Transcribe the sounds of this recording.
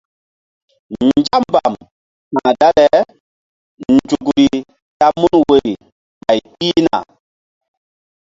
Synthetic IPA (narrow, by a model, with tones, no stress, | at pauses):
n˨d͡ʒa˦mba˨m | ha˨ŋ˨da˦lɛ˦ | n̩˨d͡ʒu˨ɡu˨ɾi˨ | ta˦mu˦nwe˨ɾi˨ | ɓa˨jpi˦na̰˨